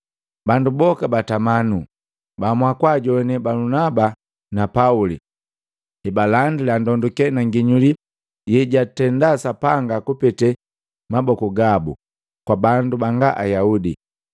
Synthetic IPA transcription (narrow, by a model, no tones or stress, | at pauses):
bandubɔkabatamanu | bamwakwaɟɔɛnɛbalunaba | napauli | ibalandilandɔndukɛnaŋɡiɲuli | jɛɟatɛndasapaŋɡakupɛtɛ | mabɔkɔɡabṵ | kwabandubaŋɡaʔajaudi